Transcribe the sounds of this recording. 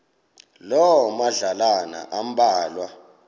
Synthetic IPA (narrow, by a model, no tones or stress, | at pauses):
lɔwɔmaɮalana̰ʔam̩ɓaːlwa